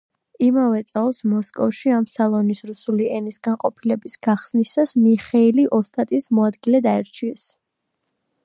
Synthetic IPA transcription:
imavɛt̪sʼalˠsmɔskʼɔfʃiamsalˠɔnisɾusuliɛnisɡanqʼɔpʰilɛbisɡ̥aχsnisasmiχɛiliʔɔst̪ʼat̪ʼismɔad̪ɡilɛd̪aɛɾt͡ʃʰiɛs

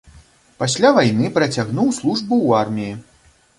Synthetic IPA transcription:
pasʲlʲavajnɨpɾɐt͡sʲaɣnuwslˠuʐbuwarmʲiji

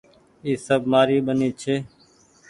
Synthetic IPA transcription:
iːsəbmaːɾiːɓəniːt͡ʃʰeː

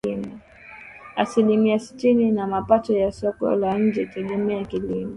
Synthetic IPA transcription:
ima | asilimiasi̥tininamapatɔjasɔkɔ̰laɲ̩d͡ʒɛtɛɠɛmɛakilimɔ

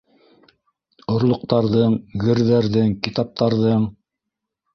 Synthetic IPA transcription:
ŏɾlˠŏq̚t̪ɑɾðɤɴɡɘ̆ɾðæɾðɘŋkit̪ɑp̚t̪ɑɾðɤɴ

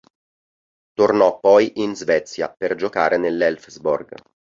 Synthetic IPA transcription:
t̪ornɔpːɔjʔinzvɛt̪sja̰perd͡ʒokaːɾenelːɛlfzbo̰rɡ

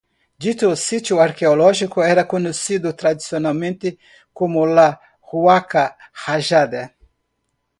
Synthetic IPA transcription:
d͡ʒit̪uːsit̪juaɾkeolɔʒikʊɛɾɐkoɲesid̪ʊt̪ɾad̪isionawmẽnt̪ɪ | komʊla | huakahaʒad̪e

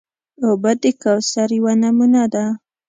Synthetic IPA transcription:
obad̪əkawsaɾjwanamunad̪a

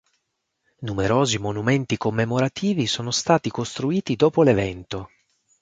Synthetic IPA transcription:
numeɾoːzimonument̪ikomːemoɾat̪ʰiːvisoːnost̪aːt̪ikost̪ɾuiːt̪id̪ɔːpolevɛnt̪o

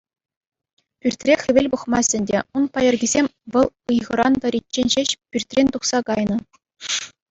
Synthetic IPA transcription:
pʲyrʲtʲrʲexʲɘ̆ʋʲelʲbɤχmɑsʲɘ̆nʲdʲeunpɑjɤ̆rɡʲizʲemʲʋɤ̆lˠɯjʁɤ̆ɾɑ̰nd̪ɑɾʲit̚ʲt͡ɕːenʲɕeɕpʲyrʲtʲrʲenʲt̪uχsɑkɑjnɤ̆

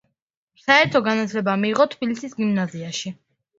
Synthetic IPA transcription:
saɛɾt̪ʰɔɡanat̪ʰlɛbamiːʁɔt̪ʰbilisisɡimnaziaʃi

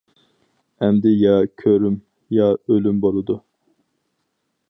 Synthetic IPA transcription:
ɛmd̪ɪjɑkʲʰøɾym | jɑølymboɾˠɨd̪u

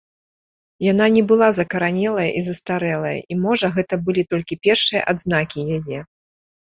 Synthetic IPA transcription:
jananʲɛbɨlˠazɐkɐɾanʲɛlˠɐjɐʔizɐst̪aɾɛlˠɐjɐ̰ʔimɔʐɐɣɛt̪ɐbɨlʲit̪ɔlʲkʲipʲɛrʂɨjɐ̰ʔad̪znakʲijajɛ

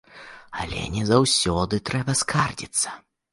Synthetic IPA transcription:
ɐlʲɛ̰nʲɛzawsʲɔd̪ɨt̪ɾɛbɐskʰard͡zʲit̪sːɐ̥

